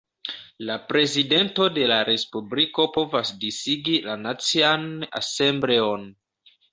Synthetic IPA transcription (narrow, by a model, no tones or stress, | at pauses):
lapɾe̞zide̞nto̞de̞laɾe̞spubliko̞po̞vasdisiɡilanat͡siana̰se̞mbɾe̞o̞n